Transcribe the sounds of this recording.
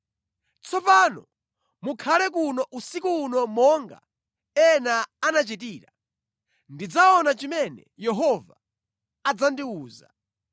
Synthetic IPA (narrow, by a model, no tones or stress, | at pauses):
t͡sʰɔpanɔ | mukʰalɛk̬unɔʔusikuːnɔmɔŋɡa̰ | ɛnaanat͡ʃit̬iːɾa | ndid͡zaɔnat͡ʃimɛnɛjɛɦɔvaː | d͡zandiuːza̰